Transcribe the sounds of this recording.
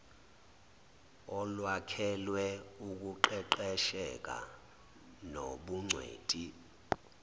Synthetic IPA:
ɔlwakʰɛlwɛuk̬ʼuǃɛǃɛʃɛk̬ʼa̰ | noɓuŋ͡ǀʱwḛːtʼi

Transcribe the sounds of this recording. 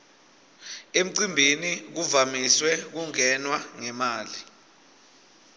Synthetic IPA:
em̩ǀimbʱinik̬uvamiswɛk̬uŋɛnwaŋɛmaːli

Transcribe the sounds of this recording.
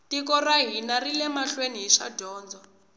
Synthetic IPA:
tikɔraɦinarilɛmaɬweniɦiʃa̰dʱɔːnd͡zɔ

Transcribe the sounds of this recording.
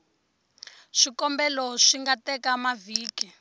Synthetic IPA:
ʂikɔmbɛlɔʂiŋɡatɛkamaviːki

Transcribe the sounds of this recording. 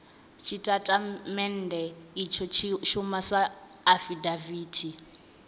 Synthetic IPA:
t͡ʃʰitʼatʼamɛn̩dʱɛit͡ʃʰɔt͡ʃʰʃumasaː | fidaviːtʰi

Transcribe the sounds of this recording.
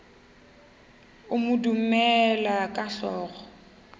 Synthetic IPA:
ʊmʊdum̩mɛlakʼaɬɔːɣɔ

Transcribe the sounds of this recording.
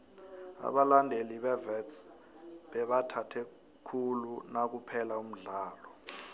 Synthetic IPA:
a̰ɓalandʱeliɓɛvɛts | ɓɛɓatʰatʰɛ | kʰulunak̬upʰɛlaum̩ɮaːlɔ

